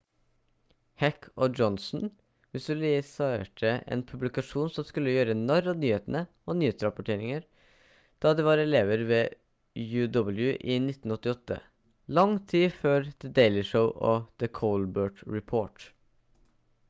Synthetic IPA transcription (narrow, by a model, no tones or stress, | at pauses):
hækʰɔd͡ʒɔnsn̩ | ʋɪsʉlɪsɑʈʰəḛːnpʰʉblɪkɑʂuːnsɔmskʉlːəjøːɾəɛnɔɾɔnyːheːt̪ənə | ɔnyːheːt̪sɾɑpʊʈʰeːɾɪŋəɾ | d̪̥ɑːd̪ɛʋɑɾɛleːʋəɾʋeː | jʉːd̪ɔbəl̩jʉʔɪnɪt̪ːn̩ɔt̪ːɪɔt̪ːə̰ | lɑŋt̪ʰiːføːɾd̪̥ɛd̪eɪlɪʂəʊʔɔd̪̥əkʰɔːlbøːʈɹɛpʰoːʈ